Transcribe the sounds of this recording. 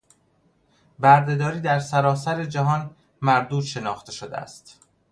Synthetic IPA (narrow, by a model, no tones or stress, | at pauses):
bæɾd̪e̞d̪ɒːɾiːd̪æɾsæɾɒːsæɾe̞d͡ʒæɦɒːn | mæɾd̪uːd̪ʃe̞nɒ̰ːxt̪ʰe̞ʃod̪eæ̰st̪